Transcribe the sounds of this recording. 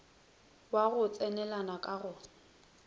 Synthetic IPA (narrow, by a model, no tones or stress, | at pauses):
waɣʊt͡sʼɛnɛlanakʼaɣʊ